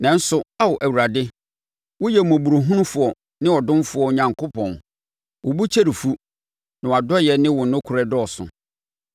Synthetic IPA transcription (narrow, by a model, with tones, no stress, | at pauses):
nã˨n̩˦sʊ˨a˦wɔ˨ʔæ˨wu˨ɾa˨dɪ˦ | wʊ˦jɛ˨mɔ̃˨bu˨ɾu˨ɦʊ̃˦nʊ̃˦fʊ˨ɔ˨ | nɪ̃˦wɔ˨dʊ̃˦m˦fʊ˨˦ɔ˨ɲã˨ŋkʰo˦pʰɔ̃˨n | wʊ˨bu˦t͡ɕʰe˦ɾi˨fu˦ | nɪ̃˨wa˨dɔ˦jɛ˨nɪ̃˦wʊ̃˨nʊ̃˦kʰʊ˨ɾɛ˨dɔ˦ɔ˨sʊ̰̃˨